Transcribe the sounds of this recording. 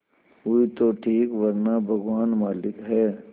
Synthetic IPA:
uit̪oʈʰiːkʋɐɾnabʱɐɡʋaːnmaːlɪkɦɛː

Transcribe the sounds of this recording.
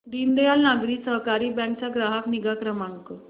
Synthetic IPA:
ɖind̪ejalnaɡɾiːsəɦkaɾiːbɛ̃ŋk̚t͡saɡɾaɦakniɡakɾəmaŋkə

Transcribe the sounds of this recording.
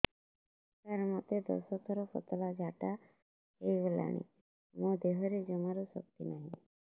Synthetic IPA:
təɾmɔt̪ed̪ɔ̰sɔt̪ʰɔɾɔpʰɔ̰t̪ɔlad͡ʒaʈa | eiʋela̰ɽ̃ḭ | mõd̪eɦɔɾed͡ʒɔmaɾusɔ̰k̚t̪ḭnaɦĩ

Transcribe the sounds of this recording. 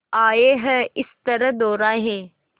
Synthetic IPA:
aːeːɦəɪst̪ɐɾəd̪oːɾaːɦeː

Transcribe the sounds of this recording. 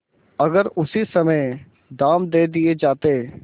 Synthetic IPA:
ɐɡəɾʊsisəməj | ɖ̪aːmd̪eːd̪ɪed͡ʒaːt̪eː

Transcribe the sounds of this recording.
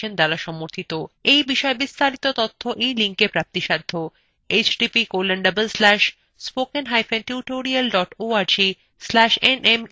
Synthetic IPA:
end̪alaʃɔmoɾt̪ʰit̪oejbiʃɔebist̪ʰaɾit̪ot̪ot̪ʰːoʔiliŋkepɾap̚t̪iʃad̪ʱːo | et͡ɕɖipikolenɖɐbelslɛʃ | spokenɦajfenʈuʈoɾialɖɔʈoaɾd͡ʑi | slæʃenem

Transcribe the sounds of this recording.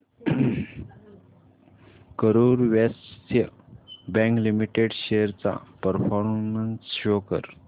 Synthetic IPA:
kəɾuːɾʋest̪ʰjəbɛ̃ŋklimiʈeɖɕeɾt͡sa̰pəɾfɔɾmənsɕokə̰ɾ

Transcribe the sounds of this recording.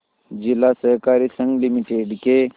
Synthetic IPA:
d͡ʒɪlasəɦkaːɾisə̃ŋɡlimiʈeɖke

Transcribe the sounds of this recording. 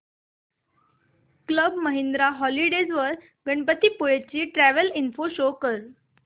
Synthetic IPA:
kləbməɦend̪ɾaɦɔliɽed͡zʋəɾ | ɡəɳpət̪iːpojet͡ɕiːʈɾæʋəlinfoɕokəɾ

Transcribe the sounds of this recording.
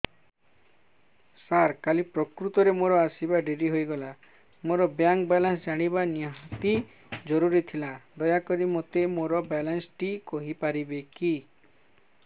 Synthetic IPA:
saɾkalipɾɔkɾut̪ɔɾemoɾɔasibaɖeɾiɦojɡɔla | moɾɔbjaŋk̚bɛlansd͡ʒaɽ̃ibaniɦt̪i | d͡ʒɔɾuɾit̪ʰilad̪ɔjakɔɾimot̪emoɾɔbɛlansʈikɔɦipaɾibeki

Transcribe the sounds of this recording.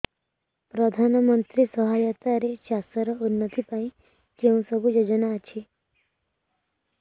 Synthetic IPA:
pɾɔd̪ʱanɔmənt̪ɾisɔɦajət̪aɾeʃasəɾɔunːət̪ipaĩ | d͡ʒeũsɔbʱud͡ʒod͡ʒɔnaːt͡ʃʰi

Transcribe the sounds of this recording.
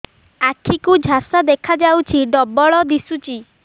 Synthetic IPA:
akʰikud͡ʒʱasad̪ekʰad͡ʒawt͡ʃʰiɖɔbɔɭɔd̪isut͡ʃi

